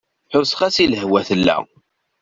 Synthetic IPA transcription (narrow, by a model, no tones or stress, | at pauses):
ħʊsə̥χæsiləhwæθəlːæ̰